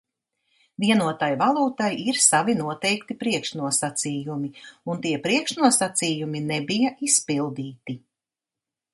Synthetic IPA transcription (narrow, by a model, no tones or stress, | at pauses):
viɛnuɔt̪ajvalˠuːt̪ajiɾsavinuɔt̪ɛjkt̪ipɾiɛkʃnuɔsat̪siːjumiunt̪iɛpɾiɛkʃnuɔsat̪siːjuminɛbijaʔispilˠd̪iːt̪i